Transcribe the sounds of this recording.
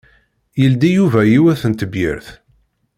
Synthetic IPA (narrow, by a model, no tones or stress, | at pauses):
jəld̪ijuvæjiwæθənt̪əbjə̰ɾθ